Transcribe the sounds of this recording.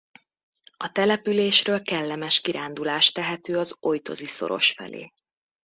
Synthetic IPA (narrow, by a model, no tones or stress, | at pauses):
ɒt̪ɛlɛpyleːʃrøːlkɛlːɛmɛʃkiɾaːnd̪ulaːʃt̪ɛɦɛt̪øːɒzo̞jt̪o̞̰ziso̞̰ɾo̞̰ʃfɛ̰lʔḛː